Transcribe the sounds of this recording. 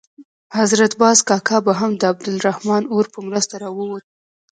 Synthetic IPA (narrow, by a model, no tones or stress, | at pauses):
hazɾat̪bɑzkɑkɑbaɦamd̪əab̚d̪ɪlɾahmɑnoɾpəmɾəst̪aɾɑwəwot̪̚